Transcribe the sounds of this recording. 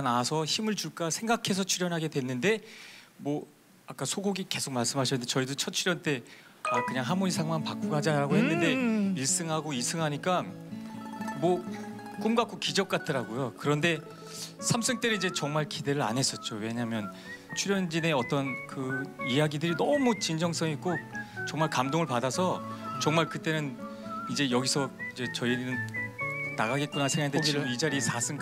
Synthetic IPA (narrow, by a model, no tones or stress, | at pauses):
nasʰʌçimɯɭt͡ɕuɭk͈asʰe̞ŋɡakʰe̞s̬ʰʌt͡ɕʰuɾjʌnɦaɡe̞dwe̞nːɯnde̞ | mwʌ | ak͈asʰoɡoɡike̞sʰok̚maɭs͈ɯmɦaɕʰʌnːɯndet͡ɕʌidot͡ɕʰʌt̚t͡ɕʰuɾjʌnt͈e̞ | akɯɲaŋɦamuɾisʰaŋmanpak͈oɡad͡ʑaɾaɡohenːɯnde̞iɭs͈ɯŋɦaɡois͈ɯŋɦaɲik͈a | mwʌ | k͈umɡak͈ʰokid͡ʑʌk͈̚atʰɯɾaɡojokɯɾʌnde̞ | sʰams͈ʰɯŋt͈enɯnid͡ʑe̞t͡ɕʌŋmaɭkide̞ɾɯɾa̰nɦe̞s͈ʌt̚t͡ɕ͈owe̞ɲaɦmjʌn | t͡ɕʰuɾjʌnd͡ʑine̞ʌt͈ʌnkɯijaɡidɯɾinʌmut͡ɕind͡ʑʌŋs͈ʌŋik͈ot͡ɕʌŋmaɭkamdoŋɯɭpadasʰʌt͡ɕʌŋmaɭkɯt͈e̞nɯn | id͡ʑe̞jʌɡisʰʌid͡ʑe̞t͡ɕʌinɯn | naɣaɡe̞t̚k͈unasʰeŋandeioid͡ʑaɾiesʰas͈ʰɯŋ